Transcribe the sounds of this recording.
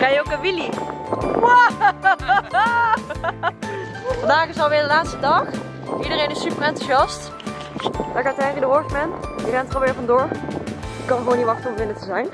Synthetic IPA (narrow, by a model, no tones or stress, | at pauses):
kɑjəowkəʋili | wa | fɑndaːχɪsɑlˠʋɪːɹdəlaːtstədɑχ | idərejnɪsːypərɛntuʃɑst | d̥akatɛridəʋɔɹχmɛndirɛntolˠɪːɹvɑndʊːɹ | ɪkːɑnχəʋoːniʋɑχtəɔmʋɪnətəzɛjn